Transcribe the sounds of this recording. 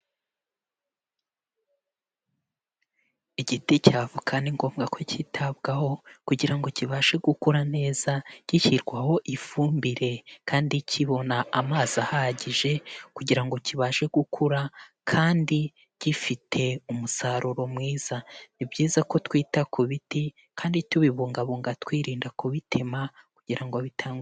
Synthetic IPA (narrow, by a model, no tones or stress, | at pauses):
iɟiticaːvukʰaniŋɡo̞ːmɡakʰocitʰaβɡaho̞kuɟiɾaŋɡo̞ciβaʃe̞ɡukuɾane̞ːz̥aɟ̥içiɾɡwaho̞ʔifuːmbiɾe̞kʰaːndicʰiβo̞naamaːz̥ahaɟiʒe̞kuɟiɾaŋɡo̞ciβaːʃe̞ɡukʰuɾa | kʰaːndi | ɟ̥ifitʰe̞umusaɾuɾo̞mŋiːz̥anibɟiːzako̞twiːtakʰuβiti | kʰaːndituβiβuːŋɡaβuːŋɡatwiːɾiːndakuβitʰe̞makuɟ̥iɾaŋɡoβitʰaːŋ